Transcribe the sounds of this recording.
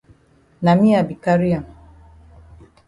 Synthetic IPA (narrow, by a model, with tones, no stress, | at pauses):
na˨mi˦a˨bi˨ka˦ɾi˦a˨